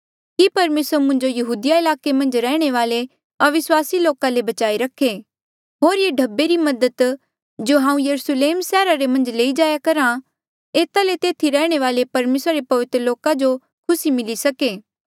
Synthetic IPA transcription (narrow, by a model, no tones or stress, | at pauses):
kipɐɾmeːsəɾmʊ̃nd͡ʒojɐɦuːd̪ɪjaɪlaːkemɐ̃nd͡ʒɾɛːɽ̃eʋaːle | ɐʋɪswaːsiloːkãlebɐt͡ʃaːiɾɐkʰːe | ɦoːɾjeːɖʱɐbːeɾimɐd̪ət̪ | d͡ʒoɦãːũjɐɾusleːmsɛːɾaɾemɐ̃nd͡ʒleːid͡ʒaːjakɐɾã | eːt̪alet̪eːt̪ʰiɾɛːɽ̃eʋaːlepɐɾmeːsɾaɾepɐʋɪt̪ɾəloːkad͡ʒo | kʰʊsimɪlisɐkeː